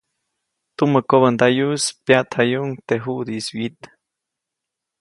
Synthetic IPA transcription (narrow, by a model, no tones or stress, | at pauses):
t̪umːəkoβənd̪ajuspjat̪hajuŋt̪eɦud̪iswit̪